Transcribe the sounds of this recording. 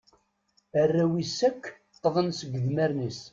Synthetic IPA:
ərːæwisækː | qːðˤənsəɡːəðmæɾnis

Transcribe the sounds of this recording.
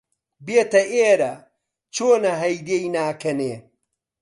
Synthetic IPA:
beːt̪ɐʔeːɾɐ | t͡ʃʰoːnɐɦɐjd̪ejnaːkʰɐneː

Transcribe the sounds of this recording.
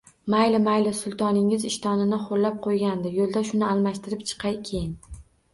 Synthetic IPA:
majlɪmajlɪsʊlˠt̪ʰɒnɪŋɪzɪʃt̪ʰɒnɪnɪχolːap̚qʰojɡʲand̪ɪjolˠd̪aʃʊnɪalˠmaʃt̪ɪɾɪpt͡ʃʰɨ̥qʰɑjkʲʰe̞jɪn

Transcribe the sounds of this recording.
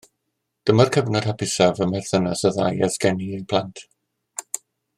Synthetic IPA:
d̥əmarkʰəvnɔd̥hapʰɪsavəmɛrθənasəða̰jasɡɛniepʰlˠantʰ

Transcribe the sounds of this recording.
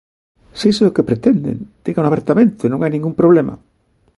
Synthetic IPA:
sejseʊkepɾet̪ɛnd̪ḛnd̪iɣanaβeɾt̪amẽnt̪ʊenõŋajnĩŋɡumpɾoβ̞lema̰

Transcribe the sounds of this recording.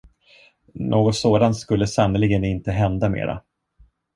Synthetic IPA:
nʔoːɡɔt̪soːd̪ant̪skɵlːəsanəlɪɡənɪnt̪əɦɛnd̪amḛːɾa̰

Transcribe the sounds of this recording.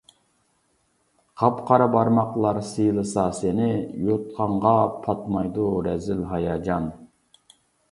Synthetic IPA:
qʰɑpqʰɑɾɑbɑɾmɑqlˠɑɾsɨjlˠɨsɑsɪnɪjot̪̚qʰɑɴʁɑpʰɑt̪mɑjd̪uɾɛzɪlɦɑjɑːd͡ʒɑn

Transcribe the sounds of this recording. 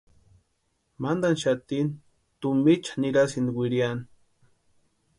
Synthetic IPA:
mand̪anʃat̪in | t̪umit͡ʃḁniɾasind̪iwiɾjani̥

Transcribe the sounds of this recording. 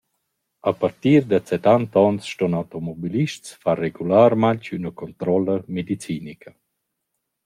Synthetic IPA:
apart̪iːɾd̪at͡sɛt̪ant̪ɔnsʃtɔnawt̪omɔbiliʃtsfareɡulaːɾmaɲt͡ʃynəkɔnt̪ɾɔləmed̪it͡siːnikʰə

